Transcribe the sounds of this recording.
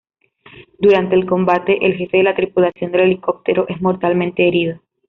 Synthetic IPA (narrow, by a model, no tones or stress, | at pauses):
d̪uɾant̪e̞ːlko̞mbat̪e̞ʔelxe̞fe̞ðelat̪ɾipulasjo̞nd̪e̞le̞liko̞p̚t̪e̞ɾoʔe̞zmo̞ɾt̪almẽnt̪e̞ːɾiðo